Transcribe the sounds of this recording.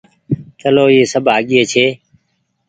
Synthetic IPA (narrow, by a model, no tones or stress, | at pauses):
t͡ʃəloːjeːsəbʱaːɠɪjeːt͡ʃʰeː